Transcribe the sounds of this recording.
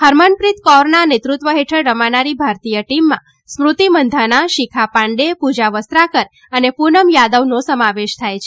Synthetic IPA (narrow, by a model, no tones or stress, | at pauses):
həɾmənpɾit̪kɔɾnanet̪ɾut̪ʋəɦeʈʰəɭːəmanaɾibʱaɾt̪ijəʈimːã̰ | smɾut̪imənd̪ʱanaʃikʰapãɳɖepud͡ʒaʋəst̪ɾakəɾ | ənepunəmjad̪əʋnosəmaʋeʃt̪ʰajt͡ʃʰe̥